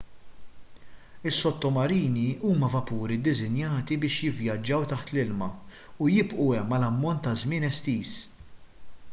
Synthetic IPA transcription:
ɪsːɔt̪ːɔmɐɾiːniuːmɐvɐpuːɾid̪ɪzɪnjɐːt̪ibɪːʃjɪvjɐd͡ʒːɐwt̪ɐħt̪lɪlmɐ | ujɪbʔuɛmːɐlɐmːɔnt̪ːɐzmɪːnɛst̪iːs

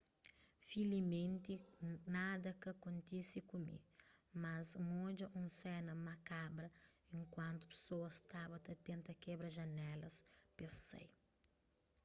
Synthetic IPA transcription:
filimẽnt̪inad̪ɐkɐkõnt̪isikumḭmɐzŋod͡ʒɐʔũsɛnɐmɐkabɾɐẽŋkwɐ̃nt̪ʊ̥pe̥soɐst̪abɐt̪ɐt̪ẽnt̪ɐkɛbɾɐʒɐnɛlɐspesḛj

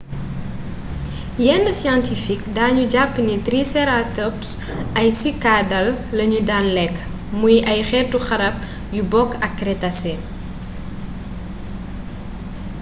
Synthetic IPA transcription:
jɛnːəsjantifikdaːɲuɟapːnit̪ɾisɛɾatɔps | ʔɐjsikadɐlːɐɲudaːnlɛkː | mujʔɐjxɛrtuxɐɾɐp̚ | jubɔkːɐkːɾɛtɐsɛ

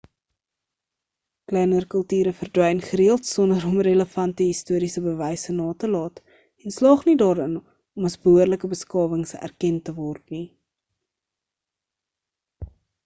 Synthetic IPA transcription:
klɛjnərkəlˠtyːɾəfərdwɛjnχəɾiəlˠtsɔndəɾɔmrələfɐntəɦistuəɾisəbəvɛjsənɑːtəlɑːt | ɛnslɑːχnidɑːɾən | ɔmɐsbəuərləkəbəskɑːvəŋsæ̰rkɛntəvɔrtni

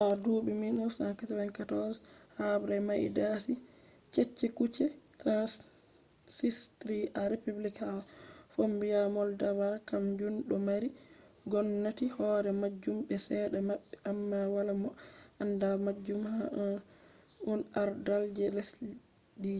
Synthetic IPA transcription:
ʔaduːɓiminɔsankataɾɛnkatɔshabɾamaʔḭdasi | t͡ʃɛt͡ʃːɛkut͡ʃɛtɾans | sistɾiʔaɾepublikafombijamɔldawakamd͡ʒunɗɔmaɾi | ɡɔnːatihɔɾɛmad͡ʒːumɓɛsɛɗamaɓːɛamːawalamɔʔandamad͡ʒːumhaʔan | unaɾdald͡ʒɛlɛs | di

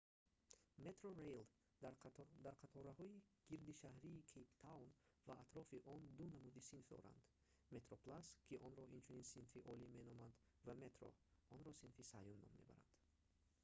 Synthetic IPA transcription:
me̞t̪ɾoɾejl | d̪d̪aɾqʰat̪ʰɔɾahɔiɡ̥iɾd̪iʃahɾiːkʰept̪ʰawnvaʔːt̪ɾɔfiʔɔnd̪unamud̪isinfd̪ɔ̰ɾa̰nd̪̥ | me̞t̪ɾoplaskʰiʔɔnɾɔʔint͡ʃʰuninsinfiʔɔlimenɔmand̪ | vame̞t̪ɾo̰ɔnɾɔsinfisajunːɔ̰mːe̞̰ba̰ɾa̰nd̪̥

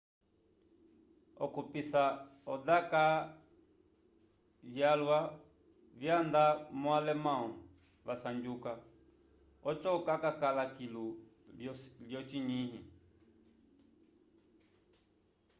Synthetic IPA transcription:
ɔkupisaɔdaka | vjalwa | vjand̪amɔalɛmau | βasand͡ʒuka | ɔt͡ʃɔkakakalakilu | ljɔt͡ʃiɲiɦi

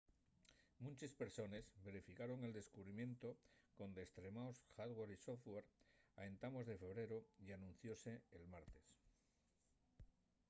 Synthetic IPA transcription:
mũnt͡ʃespe̞ɾso̞ne̞zbe̞ɾefikaɾo̞ŋe̞ld̪e̞skuβɾimjẽ̞nt̪o̞ko̞nd̪est̪ɾe̞maosxaðwaɾisofweɾa̰ent̪amo̞zðe̞fe̞βɾe̞ɾoianũn̟θjo̞se̞ːlmaɾt̪e̞s

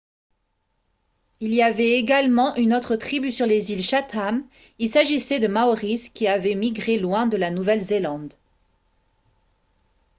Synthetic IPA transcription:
iliavɛeɡalmɑ̃ʔynot̪χət̪χibysyʁlezilʃat̪am | ilsaʒisɛd̪əmaoʁiskʲiavɛmiɡʁelwɛ̃d̪əlanuvɛlzelɑ̃d̪

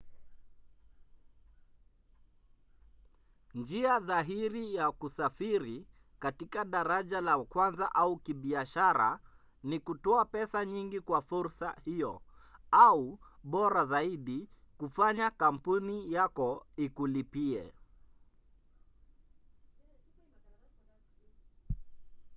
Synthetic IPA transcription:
nd͡ʒiaðaɦiɾijakusafiɾi | katikaɗaɾaʄalakwanzaʔaukiɓiaʃaɾa̰ | nikutɔapɛsaɲiŋɡikwafuɾsa̰hijɔauɓɔɾazaiɗi | kufaɲakam̩punijakɔikulipiɛ̰

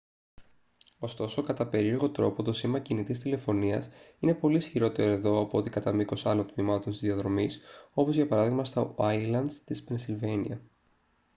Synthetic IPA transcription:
o̞st̪o̞sokɐt̪ɐpe̞ɾieɾɣo̞t̪ɾo̞po̞t̪o̞simɐcinit̪ist̪ile̞fo̞niɐsine̞po̞lisçiɾo̞t̪e̞ɾo̞e̞ðo̞ɐpoot̪ikɐt̪ɐmiko̞sɐnot̪mimɐt̪o̞nsizðiɐðɾo̞miso̞po̞zʝɐpɐɾɐðiɣmɐst̪oɐilɐnd̪st̪ispensilve̞nḭɐ

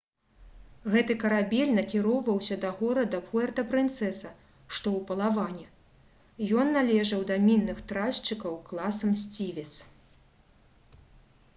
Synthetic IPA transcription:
ɣɛt̪ɨkɐɾabʲɛlʲnɐkʲiɾɔwvɐwsʲɐd̪ɐɣɔɾɐd̪ɐpuɛrt̪ɐpɾɨnt̪sɛsɐ | ʂt̪ɔwpɐlˠavanʲɛ | jɔnːalʲɛʐɐwd̪ɐmʲinːɨxt̪ɾast͡ʂɨkɐwklˠasɐmsʲt͡sʲivʲɛt̪s

